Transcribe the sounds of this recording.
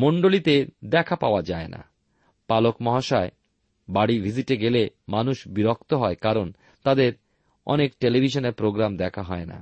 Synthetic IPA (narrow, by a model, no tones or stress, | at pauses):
moɳɖolit̪ed̪ɛkʰapaoad͡ʑaena̰ | palokmɔɦaʃae | baɽibʱid͡ʑiʈeɡelemanuʃbiɾok̚t̪oɦɔekaɾon | t̪ad̪eɾ | ɔ̰nekʈelibʱiʃoneɾpɾoɡɾamd̪ɛkʰaɦɔena̰